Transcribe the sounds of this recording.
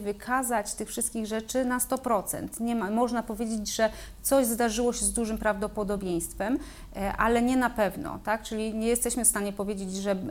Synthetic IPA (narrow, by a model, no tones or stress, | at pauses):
vɘkʰazat͡ɕt̪ɘxfʂɘst̪̚kʲiɣʐɛt͡ʂɘnast̪ɔpɾɔt̪sɛ̰nt̪ɲɛmamɔʐnapɔvʲjed͡ʑed͡ʑʐɛ | t̪sɔʑzd̪aʐɘwɔɕɛzd̪uʐɘmpɾavd̪ɔpɔd̪ɔbʲjej̃st̪fɛm | ʔalɛɲɛnapɛvnɔ̰t̪ak̚t͡ʂɘlʲiɲɛjɛst̪ɛɕmɘfst̪aɲɛpɔvʲjed͡ʑed͡ʑʐɛ